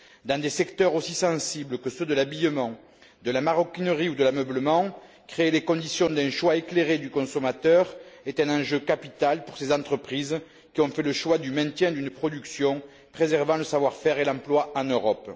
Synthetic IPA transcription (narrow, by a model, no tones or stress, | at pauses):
d̪ɑ̃d̪esɛkt̪œʁosisɑ̃sibləkəsød̪əlabijəmɑ̃ | d̪əlamaʁɔkinəʁiud̪əlamœbləmɑ̃ | kχeːlekɔ̃d̪isjɔ̃d̪ɛ̃ʃwaekleʁed̪ykɔ̃sɔmat̪œʁɛt̪ɛ̃nɑ̃ʒøkapit̪alpuʁsezɑ̃t̪χəpχiz | kʲiɔ̃fɛləʃwad̪ymɛ̃t̪jɛ̃d̪ynəpχɔd̪yksjɔ̃ | pχezɛʁvɑ̃ləsavwaʁfɛʁelɑ̃plwaɑ̃nøʁɔp